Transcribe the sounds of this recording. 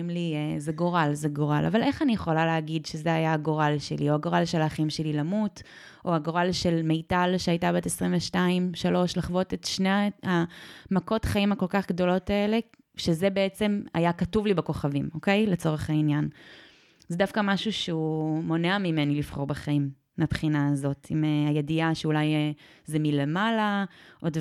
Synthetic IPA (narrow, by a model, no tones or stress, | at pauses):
mliezeɡo̞ʁalzeɡoʁalʔa̰vale̞χanijeχo̞laleaɡidʃezeajaːɡo̞ʁalʃelio̞aɡo̞ʁalʃelaːχimʃelilamut | ʔo̞aɡoʁalʃe̞lmejtalʃeajtabetesʁimveʃtaimʃalo̞ʃlaχvotetʃneamako̞tχaimako̞lkaχɡdo̞lo̞tae̞le̞ | ʃezebeet͡se̞ma̰jakatuvlibeko̞χavimo̞ke̞jlet͡so̞ʁeχhainjan | zedafkamaʃuʃeumo̞neamimenilifχo̞ʁbeχaimː | eapχinaːzo̞timeajediaʃeulaj | zemile̞malaʔod